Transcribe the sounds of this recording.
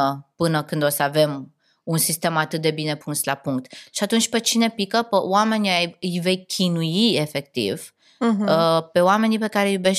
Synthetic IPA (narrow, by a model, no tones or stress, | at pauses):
əpɨnəkɨnd̪o̞səave̞m | unsist̪e̞mat̪ɨt̪̚d̪e̞bine̞pʰunsla̰puŋk̚t̪ʃiat̪unt͡ʃʲpet͡ʃine̞pikəpəwame̞najɨjve̞jkʲʰinujie̞fe̞kt̪ḭv | əpe̞wame̞nipe̞kaɾejube̞ʃ